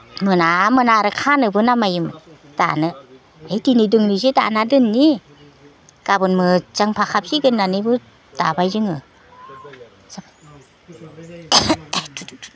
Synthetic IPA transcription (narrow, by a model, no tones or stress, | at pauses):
mɯnamɯnaɾɯkʰanɯbɯnamajɯm | d̥a̰nɯ | ejdinɯdɯŋnɯzɯda̰nadɯnːi | kabɯnmɯz̥aŋpʰakʰap̚siɡɯnːanɯbɯ | d̥abajzɯŋɯ | saba | t